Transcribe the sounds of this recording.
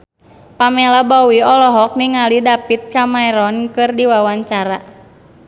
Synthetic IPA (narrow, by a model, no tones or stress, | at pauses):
pamɛlabɔwiɔlɔɦɔk̚niŋalidapit̪̚kamaɛɾɔnkɨrdiwawaɲt͡ʃaɾa